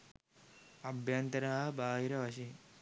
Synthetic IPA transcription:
ɐbʱjɐnt̪ɐɾɐɦɐbaːɦiɾɐʋɐʃ̬i

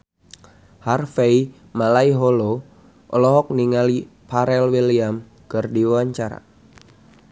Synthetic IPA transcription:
harfei | malaiɦolo | ʔɔlɔɦɔk̚niŋali | paɾɛlwiliam | kərdiwawaɲt͡ʃaɾa̰

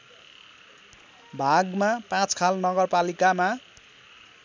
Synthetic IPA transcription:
bʱaɡmapãt͡skʰalnʌɡʌrpalikama

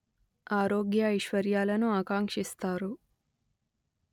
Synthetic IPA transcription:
aːɾoːɡjɐɐjʃʋɐɾjaːlɐnuaːkaːŋkʂist̪aːɾu

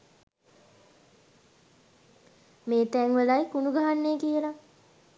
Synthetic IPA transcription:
meːt̪æŋʋelajkunuɡaɦanːeːkiela

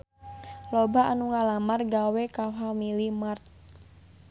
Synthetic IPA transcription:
lobaanuŋalamarɡawɛkafamilimart̪̚

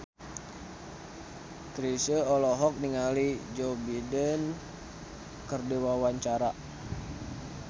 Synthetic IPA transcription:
kɾisəɔlɔɦɔk̚niŋalid͡ʒobidən | kərdewawaɲt͡ʃaɾa

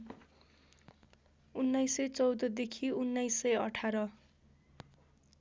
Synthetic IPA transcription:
unːajsʌjt͡sʌwd̪ʌd̪ekʰiunːajsʌjʌʈʰaɾʌ

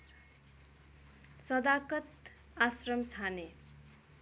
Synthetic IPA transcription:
sʌd̪akʌt̪ | asrʌmt͡sʰane

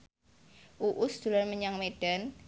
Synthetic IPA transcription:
ʔuʔʊsd̪̥ṳlarməɲaŋmeɖ̥a̤n

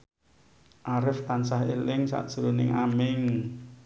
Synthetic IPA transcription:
ʔaɾɪft̪ansaɦelɪŋsa̰ʔd̥ʒ̥əɾonɪŋamɪŋ

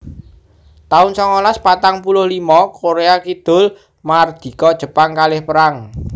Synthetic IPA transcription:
t̪aʊnsɔŋolaspat̪aŋpulʊhlimɔkoɾeakid̪̥ʊ̤l | mard̪̥i̤kɔd̥ʒ̥ə̤paŋkalɪhpəɾaŋ

